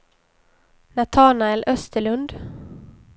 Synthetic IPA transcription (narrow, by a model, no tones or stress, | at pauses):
nat̪ʰaːnaɛlʔœst̪əɭɵnd̪